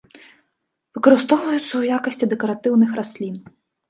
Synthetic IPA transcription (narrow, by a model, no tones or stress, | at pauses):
vɨkɔɾɨst̪ɔwvɐjʊt̪sːɐujakɐsʲt͡sʲid̪ɛkɔɾat̪ɪwnɨxɾasʲlʲin